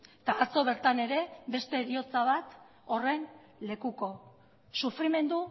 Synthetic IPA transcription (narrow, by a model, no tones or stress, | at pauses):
t̪aːt͡so̞β̞e̞ɾt̪ane̞ɾe̞be̞st̪e̞ɾio̞t͡saβ̞at̪ | o̞re̞n | le̞kuko̞ | sufɾime̞nd̪u